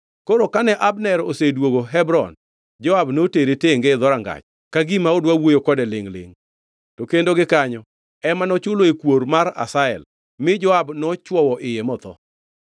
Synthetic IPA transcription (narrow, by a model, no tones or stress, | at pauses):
koɾokanɛʔabnɛɾosedwoɡoɦɛbɾɔ̰n | d͡ʒɔabnoteɾeteŋɡed̪ɔɾaŋɡa̰t͡ʃ | kaɡimaʊdwawojokɔdɛlɪŋlɪ̰ŋ | tokendoɡɪkaɲɔ | ɛmanɔt͡ʃʊloekwoɾmaɾa̰saɛ̰l | mɪd͡ʒɔabnɔt͡ʃwɔwɔʔɪjemɔt̪ɔ̰